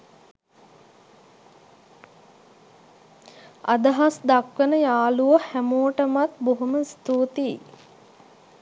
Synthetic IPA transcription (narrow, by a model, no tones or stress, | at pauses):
a̰d̪əɦasd̪akʋənəjaːluʋəhæmoːʈəmat̪boɦuməst̪uːt̪i